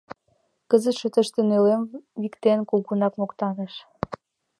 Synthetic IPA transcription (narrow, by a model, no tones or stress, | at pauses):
kəzət̪ʃə̆t̪əʃt̪ĕnølemβikt̪enkuɣunɑkmokt̪ɑɣeʃ